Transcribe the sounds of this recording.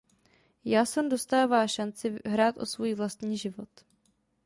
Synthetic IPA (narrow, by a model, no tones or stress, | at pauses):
jaːsɛmdo̞st̪aːvaːʃant͡sɪɦɾaːt̪ʔo̞svujivlast̪ɲiːʒɪvo̞t̪